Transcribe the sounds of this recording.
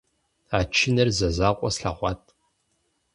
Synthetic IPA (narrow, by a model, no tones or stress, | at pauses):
aːt͡ʃʰɪnɐrzɐzaːqʷʼɔsɬaχʷɑːtʼ